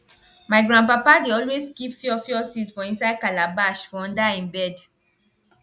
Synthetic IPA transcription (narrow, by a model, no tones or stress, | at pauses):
maɪɡɹãn̚p̬apadeɔlwezkipfiɔfiɔsitfɔ̃ĩnsaɪkalabaʃfɔ̃ɔ̃ndaĩnbɛd